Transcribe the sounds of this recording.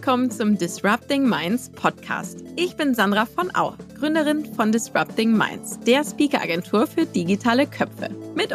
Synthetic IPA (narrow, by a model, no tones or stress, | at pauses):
kʰɔmənt͡sʊmdɪsʁap̚tɪŋmaɪnspʰɔtkʰa̰ːstʔɪçb̥ɪnzandʁafɔnʔa̰ʊɡ̥ʁʏndəʁɪnfɔndɪsʁa̰p̚tɪŋma̰ɪnsd̥eːɐspiːkɐʔa̰ɡɛntʰuːɐfyːɐd̥iɡitʰaːləkʰœfə̰mɪt